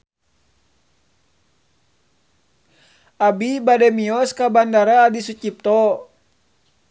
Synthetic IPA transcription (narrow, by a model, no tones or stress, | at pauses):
abibadɛmiɔskabandaɾaːdisut͡ʃip̚t̪ɔ